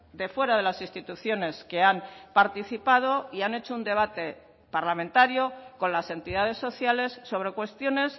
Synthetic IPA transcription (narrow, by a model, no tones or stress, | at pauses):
d̪e̞fwe̞ɾaðe̞lasist̪it̪uθjo̞ne̞ske̞ampaɾt̪iθipað̞o̞iane̞t͡ʃo̞und̪e̞βat̪e̞ | paɾlamẽnt̪aɾjo̞ko̞nlase̞nt̪iðað̞e̞sːo̞θjale̞sːo̞β̞ɾe̞kwe̞st̪jo̞ne̞s